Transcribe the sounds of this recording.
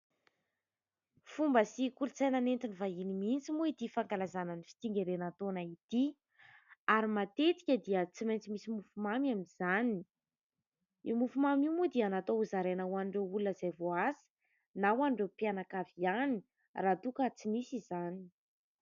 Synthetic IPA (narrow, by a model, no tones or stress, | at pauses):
fumbəsikulut͡sajnanent̪inivaɦinimint͡simuit̪ifaŋkalazananifi̥t̪iŋɡeɾenat̪onait̪i | aɾimat̪et̪i̥kʲəd̪iət͡simajnt͡simisimufumamaminz̥ani | imufumamimud̪ianat̪ouzaɾenawanɳɖ͡ʐeulunəzajvoasi̥ | nawanɳɖ͡ʐepianakaviani | rat̪ukət͡simisizani̥